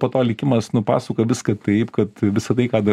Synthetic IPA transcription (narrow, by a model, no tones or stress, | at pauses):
poːt̪oːlʲɪkʲɪmɐsnʊpɑ̰ːsokoʋʲɪskɐt̪ɐɪpkɐt̪ʋʲɪsɐt̪ɐɪkɑːd̪ɐ